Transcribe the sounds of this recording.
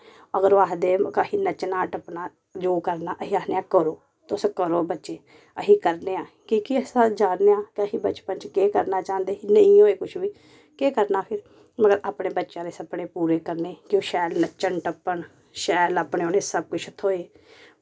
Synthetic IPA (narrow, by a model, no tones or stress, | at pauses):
əɡəɾʋaːɦd̪eːkəhiːnət͡ʃnaːʈəpnaː | d͡ʒoːkəɾnaːʔəɦiːaːsneːãːkəɾoː | t̪oskəɾoːbətːʃeː | əɦiːkəɾneːãː | kiːkiəsãːd͡ʒaːnneːãːkəɦiːbət͡ʃpəɲt͡ʃkeːkəɾnaːt͡ʃãːnd̪eːinəĩːoːeːkʊt͡ʃʰʋiː | keːkəɾnaːpʰɪɾ | məɡəɾaːpɳeːbətːʃãːd̪eːsəpɽeːpuːɾeːkəɾneːkɪoːʃɛːlnət͡ʃəɳʈəpːəɳ | ʃɛːləpɳeːoːneːsəb̚kʊt͡ʃʰət̪ʰoːeː